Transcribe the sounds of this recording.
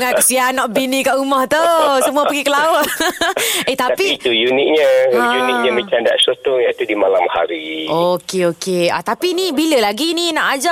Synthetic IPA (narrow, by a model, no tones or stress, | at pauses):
ŋankəsianːɔʔbinĩkaʔumaht̪usəmũapəɡikəlaʊt̪̚ | et̪apit̪ujunik̚ɲajuniʔɲamĩt͡ʃanda̰ʔsot̪ʊŋjãit̪udimalamha̰ɾiokeokea̰t̪apinĩbiləlaɡinĩnaʔad͡ʒa